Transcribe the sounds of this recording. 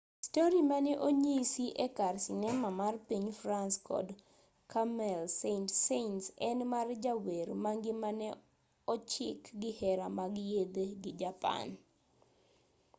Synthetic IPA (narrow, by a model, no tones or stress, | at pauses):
stoɾimanɛʔoɲisiʔɛkarsinɛmamarpiɲfɾanskɔ̰d | kʰamɛlsentsentsɛnmard͡ʒaweɾmaŋɡɪmanɛ | ɔt͡ʃɪkɡɪhɛɾamaɡjed̪eɡɪd͡ʒapa̰n